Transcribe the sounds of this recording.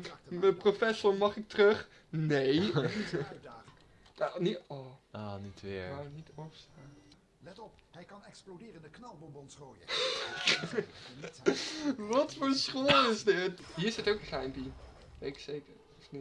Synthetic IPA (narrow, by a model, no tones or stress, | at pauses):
əprofɛsɔɹmɑχɪk̚trøχ | nej | anitɔɔːnitʋɪɹawnitɔfəstaːn | lɛtɔphɛjkɑnɛksplodɪːrəndəknɑlˠbɔmbɔnsroːjə | ʋɑtfoːɹsχoːlɪzdɪtɦiːɹɪsətowkəχɛjmpi | ʋejkə̥sejkəɹ | ɪsni